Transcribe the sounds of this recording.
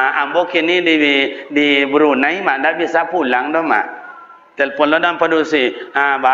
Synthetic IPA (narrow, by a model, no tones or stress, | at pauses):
ambokinididibəɾunaimadabisapulaŋdɔma̰ʔ | t̪elpɔnlɔdampadusiaba